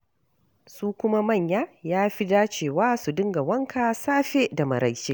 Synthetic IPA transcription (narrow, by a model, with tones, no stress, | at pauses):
suː˦kʷʊ˦ma˦mɐ˦˨ɲjaː˦jaː˦ɸi˦daː˦t͡ʃeː˦˨waː˦su˨dɪ˦ŋɡa˨wɐ˦ŋkʰaː˨saː˦ɸe˦da˨mɐ̰˨ɾʔa˦˨jʃe˦ʔ